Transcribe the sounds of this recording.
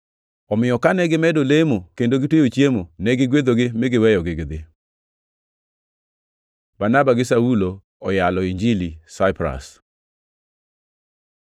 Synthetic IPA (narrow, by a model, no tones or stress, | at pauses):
ɔmɪjɔkanɛɡɪmɛdolemokendoɡɪtwejot͡ʃjemonɛɡɪɡwed̪oɡɪmɪɡɪwɛjɔɡɪɡɪd̪ɪ | banabaɡɪsawulo | ɔjalɔiɲd͡ʒilisaɪpɾa̰s